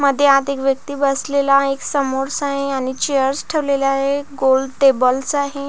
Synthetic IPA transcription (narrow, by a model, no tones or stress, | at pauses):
məd̪ʱːjead̪ekʋjək̚t̪iːbəslelaeksəmoɾsaɦeaɽ̃it͡ɕejəɾsʈʰeʋlelaɦeɡolɖʈebəlsaɦe